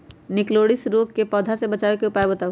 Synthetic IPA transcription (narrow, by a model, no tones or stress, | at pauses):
nɪkloːɽɪsɾoːkkepɔːd̪ʱasebɐt͡ʃaːʋekeʊpaːebɐt̪aː